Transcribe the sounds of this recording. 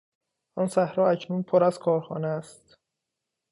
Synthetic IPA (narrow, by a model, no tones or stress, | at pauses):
ʔɒnsæhɾɒːæcʰnuːnpʰoɾæzkʰɒːɾxɒːneæst̪